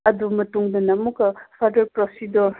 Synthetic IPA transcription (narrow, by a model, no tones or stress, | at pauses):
ɐdumɐtuŋdɐnɐmukɐpʰaɾdɐɾpɾosidoɾ